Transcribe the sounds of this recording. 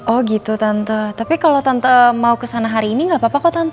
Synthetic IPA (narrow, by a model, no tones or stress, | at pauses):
ʔɔhɡit̪ut̪ant̪ət̪apikalot̪ant̪əmaukəsanaɦaɾiːniŋɡaʔpapakat̪ant̪